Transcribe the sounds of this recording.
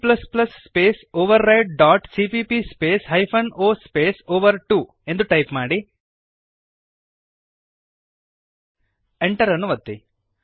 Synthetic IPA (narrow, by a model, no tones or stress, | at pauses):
plɐsplɐsːpeːsoːʋɐɾːɐjʈ̚ɖaːʈsiːpiːpispeːsɦɐjpʰɐnoːspeːsoːʋɐɾʈuː | e̞nd̪uʈɐjpmaːɽi | eɳʈɐɾɐnːuʋɐt̪ːi